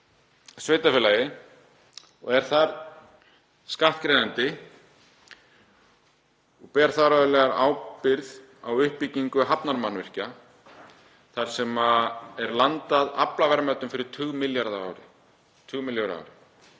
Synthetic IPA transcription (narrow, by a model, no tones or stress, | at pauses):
sveːjt̪afɪlajɪ | ɔ̰ɣɛɾ̥θaɾ | skaht̪kɾeːjðant̪ɪ | ɔɣpɛːɾ̥θaɾaðʏlɛːɣaɾa̰ːwpɪɾð | awʏhpicːiŋkʏɦapnaɾmanvɪr̥ca | θaɾ̥sɛmaɛɾlant̪aðaplavɛɾmœt̪ʏmfɪɾɪɾ̥t̪ʰʏɣmɪljaɾðaa̰ːwɾɪ | t̪ʰʏɣmɪljaɾa̰wɾɪ